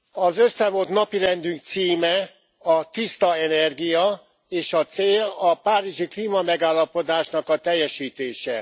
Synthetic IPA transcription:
ɒzøsːɛvo̞t̪nɒpiɾɛnd̪yŋk̚t̪siːmɛ | ɒt̪ist̪ɒɛnɛrɡijɒ | eːʃɒt̪seːlɒpaːɾiʒikliːmɒmɛɡaːlːɒpo̞d̪aːʃnɒkɒt̪ɛjːɛʃiːt̪eːʃɛ

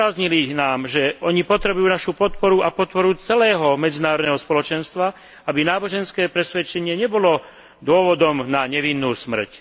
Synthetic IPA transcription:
azɲilinaːmʒɛɔɲipɔt̪ɾɛbujuːnaʃupɔt̪pɔɾuapɔt̪̚pɔɾut͡sɛlɛːɦɔmɛd͡zinaːɾɔd̪nɛɦɔspɔlɔt͡ʃɛnst̪ʋa | abinaːbɔʒɛnskɛːpɾɛsʋɛt͡ʃɛɲɪɛɲɛbɔlɔ | d̪ʊɔʋɔd̪ɔmnaɲɛʋinːuːsmr̩c

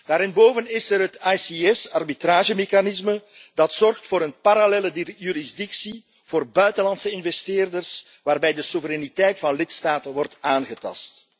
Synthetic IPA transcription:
d̥aːɾɪnboːvənɪsəɾɦətɑjsiɛsɑrbitraːʒəmexanɪsmə | dɑtsɔrxtfoːɾənpaɾalɛːlədjyɾizdɪksi | v̥oːrbœɥtəlɑntsəɪnvɛstɪːrdərs | ʋaːrbɛjdəsuvəɾɛnitɛjtfɑnlɪtstaːtənʋɔrtaːnɣətɑ̰st

